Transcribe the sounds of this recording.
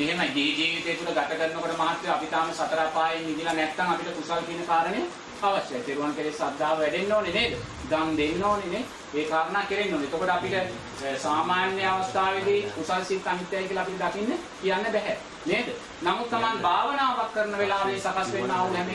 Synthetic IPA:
eɦemajd͡ʒiːd͡ʒiːʋit̪eːt̪uləɡat̪əkəɾnokoʈəmaɦat̪ːjeapit̪aːməsat̪əɾaːpaːjiŋid̪ilanɛk̪ːaŋapiʈəkusalk̪iːnəkaːɾənejə | aʋɐʃjajp̪eɾuʋankəɾeːsad̪ʱːaːʋəʋɛɖenːoːneneːd̪ə | d̪amd̪enːoːnene | eːkaːɾənaːkeɾenːoːneet̪okoʈəapiʈə | saːmaːnjəjəaʋɐst̪ʰaːʋed̪iupasit̪ːanit̪ːjajkiələapiləd̪akinːəkijanːəbɛɦɛt̪ | neːd̪ə | namut̪ːamanbʱaːʋənaːʋakːəɾənəʋelaːʋeːsakasʋenːaːluɦɛme

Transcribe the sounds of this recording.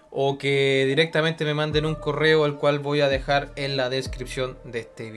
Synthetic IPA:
okeðiɾe̞k̚t̪ament̪e̞me̞mãnd̪enuŋko̞re̞oelkwalβo̞jaðe̞xaɾenlaðe̞skɾipsjo̞nd̪eest̪eβ

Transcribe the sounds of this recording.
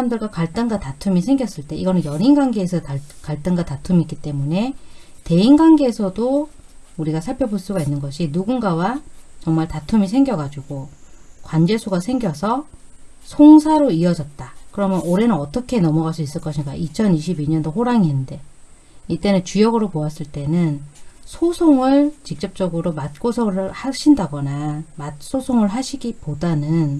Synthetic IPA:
amdɯɭɡwakaɭt͈ɯŋɡatatʰumisʰe̞ŋɡjʌs͈ɯɭt͈e̞iɡʌnɯnjʌɾinɡwaŋɡe̞ːsʰʌtakaɭt͈ɯŋɡatatʰumik͈it͈e̞mune̞ | te̞inɡanɡeːsʰʌdo | uɾiɡasʰaɭpʰjʌboɭs͈uɡainːɯnɡʌɕʰinuɡunɡawat͡ɕʌŋmaɭtatʰumis̬ʰe̞ŋɡjʌɡad͡ʑuɡokwand͡ʑe̞sʰuɡasʰe̞ŋɡjʌsʰʌ | sʰoŋsʰaɾoiʌd͡ʑʌt̚t͈akɯɾʌmjʌnoɾe̞nɯnʌt͈ʌkʰe̞nʌmʌɣas͈uis͈ɯɭk͈ʌɕʰiŋɡaʔit͡ɕʰʌniɕʰibiɲʌndoɦoɾaŋinɯnde̞ | it͈e̞nɯnt͡ɕujʌɡɯɾopoas͈ɯɭt͈e̞nɯnsʰosʰoŋɯɭt͡ɕik̚t͡ɕ͈ʌp̚t͡ɕ͈ʌɡɯɾomat̚k͈osʰʌɾɯɭhaɕʰindaɡʌnamat̚s͈ʰosʰoŋɯɭɦaɕʰiɡipodanɯn

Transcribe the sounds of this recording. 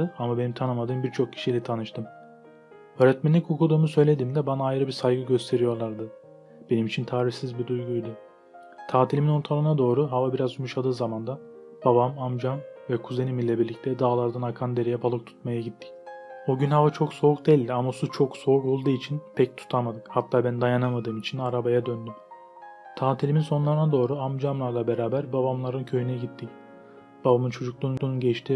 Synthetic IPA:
ɯamabe̞nimt̪ʰanɯmad̪ɯːmbiɾt͡ʃʰo̞k̚cʰi̥ʃijlʲɛt̪ʰanɯʃt̪ʰɯm | øːɾɛt̪mɛnʲːicukʰud̪uːmusø̞jlʲe̞d̪iːmd̪ɛbanaːjɾɯbisajɡɯɟø̞st̪ʰe̞ɾijo̞ɾlˠaɾd̪ɯ | b̥e̞nimit͡ʃʰint̪ʰaːɾiçsizbid̪ujɡujd̪ʊ | t̪ʰaːt̪ʰilʲiminoɾt̪ʰalˠɯnad̪o̞ːɾuɦavabiɾazumuʃad̪ɯːzamand̪a | b̥abamamd͡ʒamvɛkʰuze̞nimilʲɛbiɾlʲic̚t̪ʰɛd̪aːlˠaɾd̪anakʰand̪e̞ɾejɛbalˠɯk̚t̪ʰu̥t̪majaɟit̪ʰːi̥coɟynɦavat͡ʃʰo̞kso̞uk̚d̪ɛjlʲd̪iamasut͡ʃʰo̞kso̞ukolˠd̪ɯit͡ʃʰinpʰɛc̚t̪ʰu̥t̪ʰamad̪ɯkhat̪ʰːaːbænd̪ajanamad̪ɯːmit͡ʃʰinaɾabajad̪ønd̪ym | t̪ʰaːt̪ʰilʲiminso̞nlˠaɾɯnad̪o̞ːɾuamd͡ʒamlˠaɾlˠabe̞ɾaːbæɾbabamlˠaɾɯncʰø̞jynɛɟit̪ːic | b̥abamɯnt͡ʃʰo̞d͡ʒuklˠunˠununɟɛt͡ʃt̪ʰi

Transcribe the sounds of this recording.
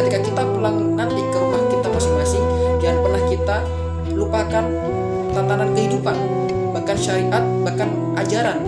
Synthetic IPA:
ət̪ikakit̪apəlaŋ | nant̪ɪkəɾubahkit̪amasɪŋmasɪŋjanpərnahkit̪a | lupakan | t̪ant̪anankəɦidupan | bakanʃaɾiʔat̪̚bahkan | ʔad͡ʒaɾan

